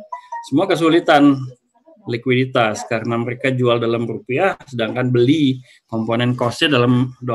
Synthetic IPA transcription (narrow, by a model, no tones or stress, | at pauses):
səmuakəs̬ulit̪an | likwidit̪askaɾənaməɾekad͡ʒualdalamrupiasədaŋkanbəli | kɔmponɛnkɔsɲadalamdo